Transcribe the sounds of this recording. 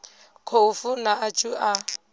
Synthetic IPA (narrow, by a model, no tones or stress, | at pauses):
kʰoufunaːt͡ʃʼuʔa